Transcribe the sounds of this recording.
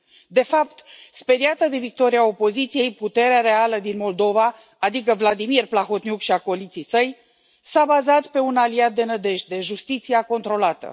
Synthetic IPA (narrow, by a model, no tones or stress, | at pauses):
d̪e̞fapt̪spe̞d̪iat̪əd̪e̞vik̚t̪o̞ɾiao̞po̞zit̪sije̞jput̪e̞ɾeaɾe̞aləd̪inmo̞ld̪o̞vaː | d̪ikəvlad̪imirplaxo̞t̪njukʃiakolit̪sijsəj | sabazat̪pe̞unaliat̪̚d̪e̞nəd̪e̞ʃ̚d̪e̞ʒust̪it̪siako̞nt̪ɾo̞lat̪ə̰